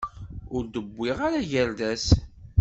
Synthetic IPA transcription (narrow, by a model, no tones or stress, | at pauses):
ʊɾd̪əbʷːɪʁaɾaʝæɾd̪æs